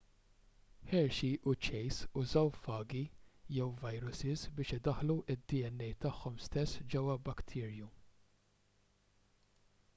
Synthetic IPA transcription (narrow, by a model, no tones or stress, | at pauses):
ħɛɾʃiʔʊt͡ʃɛjsʊzɐwfɐːɡijɛwvɐjɾʊsɪzbɪːʃɪd̪ɐħluʔɪd̪ːiɛnːɛjt̪ɐħːɔmst̪ɛsːd͡ʒɛwːɐbɐkt̪ʰɪːɾju